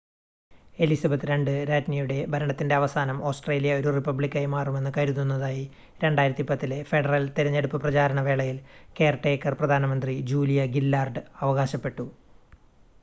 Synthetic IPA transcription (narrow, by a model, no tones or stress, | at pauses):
e̞lisɐbɐt̪ːɨɾe̞ɳɖɨɾaːtnijuɽe̞bʱɐɾɐɳɐt̪ːinde̞ɐʋɐsaːnɐmo̞ːsʈre̞ːlijɐo̞ɾuripːɐbɭikʲːɐjmaːrume̞nːɨkɐɾunːunːɐðaːji | ɾe̞ɳɖaːjiɾɐt̪ːipɐt̪ːile̞fe̞ɖɐrɐlt̪iɾɐɲːeɽupːɨprɐt͡ɕaːɾɐɳɐʋe̞ːɭɐjilke̞ːrʈe̞ːkːɐrprɐd̪ʱaːnɐmɐnd̪rid͡ʑuːlijɐɡilːaːrɖɨɐʋɐɣaːɕɐpːe̞ʈːu